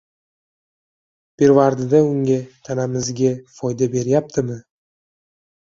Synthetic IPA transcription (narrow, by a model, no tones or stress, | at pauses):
b̥e̞ɾvaɾd̪ɪd̪aʊŋɡʲat̪ʰanamɪzɡʲafɒjd̪abe̞ɾjap̚t̪ʰɪmɪ